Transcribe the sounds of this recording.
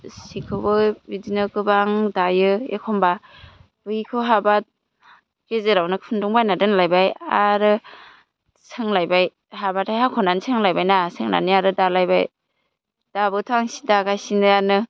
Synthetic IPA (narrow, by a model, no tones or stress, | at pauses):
sikʰɯbɯbidinɯkɯbaŋdajɯḛkʰɔmba | b̥ɯjikʰɯɦabat̚ | kezeɾawnɯkʰɯnduŋbajnadɯnlajbajaɾɯ | sɯŋlajbaj | habatʰajɦakʰɔnanisʰɯŋlajbajnasɯŋna̰niaɾɯdalajba̰j | d̥abɯtʰaŋsi̥daɡajsinɯjanɯ